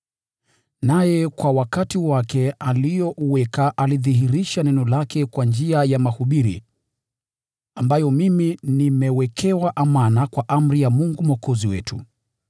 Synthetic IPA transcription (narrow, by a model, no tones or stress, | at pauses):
najɛkwawakatiwakɛalijɔʔuwɛkaʔaliðiɦiɾiʃanɛnɔlakʰɛkwand͡ʒiajamahuɓiɾḭ | ambajɔmiminimɛwɛkʰɛwaʔamanakwaʔam̩ɾijamuŋɡumɔkɔziwɛ̰tʰṵ